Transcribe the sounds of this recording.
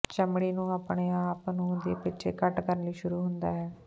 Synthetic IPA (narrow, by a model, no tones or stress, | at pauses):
t͡ʃəmɽiːnũːaːpɳeːaːpnũːd̪ḛːpɪːt͡ʃʰḛːkəʈkəɾənliːʃʊɾuːɦʊnd̪aːɦɛː